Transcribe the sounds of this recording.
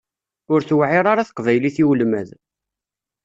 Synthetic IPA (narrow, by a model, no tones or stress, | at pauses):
ʊɾθwʕɪɾˤaɾaθə̥qvæjliθiwlmæ̰ð